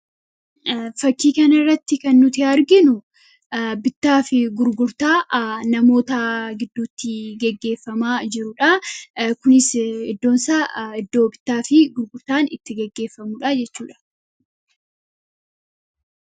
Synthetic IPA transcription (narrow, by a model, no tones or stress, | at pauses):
fɐkːiːkɐnɪrːɐt̪ːɪkɐnːʊt̪ɪɐɾɡɪnʊ | bɪt̪ːaːfɪɡʊɾɡʊɾt̪aːnɐmo̞ːt̪ɐɡɪd̪ːuːt̪ːɪɡɛɡːe̞ːfːɐmaːd͡ʒɪɾʊᶑɐkʊnɪsɪd̪ːoːnsaːɪd̪ːo̞ːbɪt̪ːaːfɪɡʊɾɡʊɾt̪aːnɪt̪ːɪɡɛɡːe̞ːfːɐmuᶑɐd͡ʒɛt͡ʃːuːᶑɐ̥